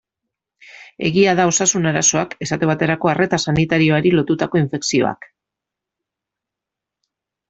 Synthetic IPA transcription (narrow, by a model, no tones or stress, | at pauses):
e̞̰ɣiað̞ao̞sasunaɾaso̞ake̞sat̪e̞βat̪e̞ɾako̞are̞t̪asanit̪aɾio̞aɾilo̞t̪ut̪ako̞iɱfe̞ksio̞̰a̰k